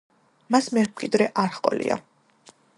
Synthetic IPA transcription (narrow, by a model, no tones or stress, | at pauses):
masmɛɾmqʼid̪ɾɛʔaɾχqʼɔ̰lḭa̰